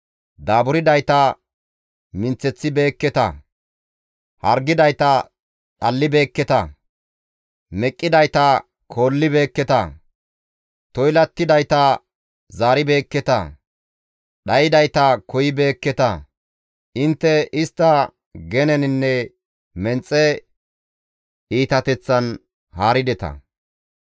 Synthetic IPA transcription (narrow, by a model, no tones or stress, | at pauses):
d̪aːbʊɾɪd̪ɐjt̪ɐ | mɪnt͡sːɛt͡sːɪbe̞ːkːɛt̪ɐ̰ | hɐɾɡɪd̪ɐjt̪ɐ | ɗɐlːɪbe̞ːkːɛt̪ɐ̰ | mɛkʼːɪd̪ɐjt̪ɐ | kʰo̞ːlːɪbe̞ːkːɛt̪ɐ̰ | t̪ɔjlɐt̪ːɪd̪ɐjt̪ɐ | zaːɾɪbe̞ːkːɛt̪ɐ̰ | ɗɐjɪd̪ɐjt̪ɐkʰɔjɪbe̞ːkːɛt̪ɐ̰ | ɪnt̪ːɛɪst̪ːɐ | ɡɛnɛnɪnːɛ | mɛnt͡sʼːɛ | iːt̪ɐt̪ɛt͡sːɐn | haːɾɪd̪ɛt̪ɐ̰